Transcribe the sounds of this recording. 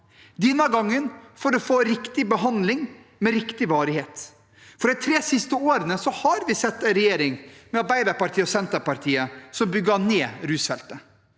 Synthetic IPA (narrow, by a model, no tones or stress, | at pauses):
d̪ɛnːɑɡɑŋːənfɔɾɔfoːɾɪkt̪ɪbəɦɑnd̪lɪŋ | mɛɾɪkt̪ɪʋɑːɾɪheːt̪ | fɔɖɛɪt̪ʰɾeːsɪst̪əoːɾənəsɔhɑɾʋɪsɛt̪ːɛnɾɛjeːɾɪŋmɛɑɾbæɪd̪ɑɾpɑɾʈ̪ʰiːəɔsɛnt̪əɾpɑɾʈ̪ʰiːəsɔmbʏɡɑneːɾʉːsfɛlt̪ə